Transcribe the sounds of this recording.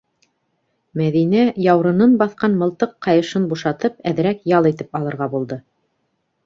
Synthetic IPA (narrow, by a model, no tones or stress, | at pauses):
mæðinæjɑwɾɤ̆nɤnbɑθqɑnmɤ̆lˠt̪ɤqːɑjɤ̆ʃɤnbuʃɑt̪ɤp̚æð̆ɾækjɑlˠit̪ɘpɑlˠɤ̆ɾʁɑbulˠd̪ɤ